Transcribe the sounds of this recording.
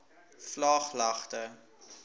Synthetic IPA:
flɑːχlɐχtə

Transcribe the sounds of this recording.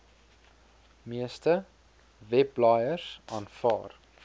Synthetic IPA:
miəstə | vɛplɑːjəsʔɑːnfɑ̰ːr

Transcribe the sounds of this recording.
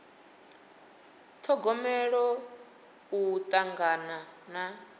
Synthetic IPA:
t̪ʰɔɡɔmɛɺɔ | ut̪ʼaŋɡanana

